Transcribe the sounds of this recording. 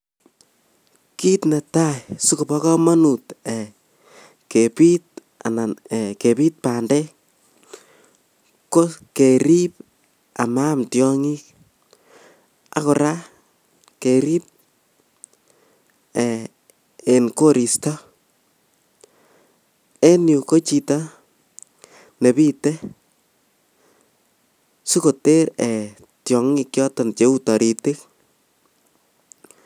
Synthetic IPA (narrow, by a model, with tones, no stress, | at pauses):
ki˦tna˨tajsu˦ku˨pɔ˦kɔ˦ma˦nu˨tɛ | kepi˦t̚ | anaɛke˨pi˦t̚paːndɛ | ko˦ke˨ɾip̚ | a˨mamtjɔŋi˦k | a̰˦kʊɾa˦ | keɾi˦p̚ | ɛ˨ | e˨nko˦ɾi˨stɔ˦ | ɛ˦nju˨ko˦t͡ʃi˧ta | nɛ˨bi˦tɛ˦ | su˦ko˨te˦ɾɛ˨ | tjɔ˨ŋi˦kjɔ˦tɔnt͡ʃe˦u˦tɔ˨ɾi˨te˦k̚